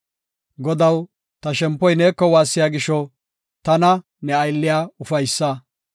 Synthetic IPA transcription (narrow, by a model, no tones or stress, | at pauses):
ɡɔd̪ɐw | t̪ɐʃɛmpːɔjneːkːɔwaːsːɪjaːɡɪʃɔ | t̪ɐnɐ | nɛɐjlːɪjaːʊfɐjsːɐ